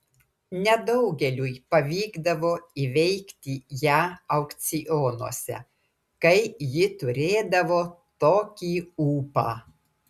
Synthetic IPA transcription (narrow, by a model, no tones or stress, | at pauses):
nʲɛd̪ɐʊɡʲɛlʲuːjpɐʋʲiːɡd̪ɐʋoːiʋʲɛɪkt̪ʲijæːɐʊkt̪sʲɪjonṵɔsʲɛ̰ | kɐɪjɪt̪ʊɾʲeːd̪ɐʋoːt̪oːkʲiːuːpɑ̰ː